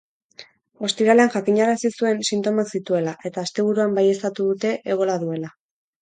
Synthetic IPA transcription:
o̞st̪iɾale̞anʝakiɲaɾasisue̞nsint̪o̞maksit̪ue̞laʔe̞t̪aːst̪e̞β̞uɾuambaje̞st̪at̪uðut̪e̞ʔeɣ̞o̞laðue̞la

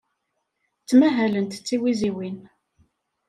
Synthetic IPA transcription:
t͡sːmæɦælənt̪t͡sːiwiziwin

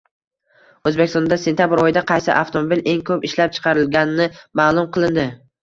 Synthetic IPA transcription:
ɵzbekʲɪst̪ɔnd̪ase̞nt̪ʰʲjabɪɾɒjɪd̪aqʰɑjsɪ̰ʔaft̪ʰomobile̞ŋkʰɵpɪʃlap̚t͡ʃʰɨ̥qʰɑɾɪlɡʲanɪnɪmaːlˠʊmqʰɨlˠɪnd̪ɪ

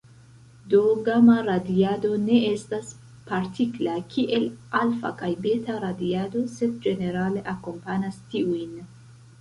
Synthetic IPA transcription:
do̞ɡamaɾadiado̞ne̞e̞stas | paɾtiklakʰiʔe̞lalfa̰kajbe̞taɾadiado̞se̞d̚d͡ʒe̞ne̞ɾale̞ʔako̞mpanastiujn

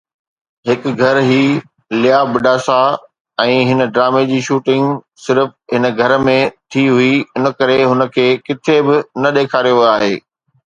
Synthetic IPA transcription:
ɦɪkɡʱɐɾɦiː | lɪjaːbɪɖaːsa | ɛ̃ːɦɪnə̆ɖɾaːmed͡ʑiːʃuːʈɪ̃ŋɡ | sɪɾəfɦɪnə̆ɡʱɐɾmẽt̪ʰiɦuiʊnə̆kɐɾeɦʊnə̆kʰeːkɪt̪ʰebɪnɐɗeːkʰaːɾijoɦiaːɦeː

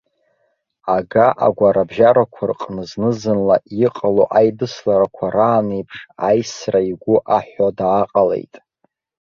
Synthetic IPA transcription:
aɡaʔa̰ɡʷaɾabʒaɾakʷʰarqʼnɨznɨzɨnlaiqʼaloʔajdɨslaɾakʷʰaɾaːnejpʰʂajsraiɡʷʊʔaħʷodaːqʼale̞̰jtʼ

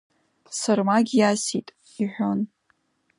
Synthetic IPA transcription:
sarmaɡʲjasitʼ | iħʷᶣon

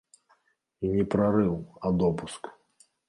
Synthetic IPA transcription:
inʲɛpɾaɾɨwɐd̪ɔpusk

